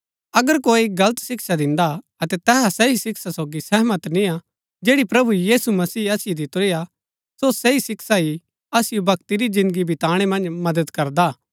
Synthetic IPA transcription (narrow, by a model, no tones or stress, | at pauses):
ɐɡəɾkoːiɡɐlət̪sɪksad̪ɪ̃nd̪a | ɐt̪ɛt̪ɛːɦasɛisɪksasoːɡisɛɦmɐt̪nĩa | d͡ʒeːɽipɾɐbujiːsumɐsiːɐsɪjed̪ɪt̪oɾija | sosɛisɪksaɦi | ɐsɪjobɐkt̪iɾid͡ʒɪ̃nd̪ɡibʱɪt̪aːɽ̃emɐ̃nd͡ʒmɐd̪əd̪kɐɾd̪aː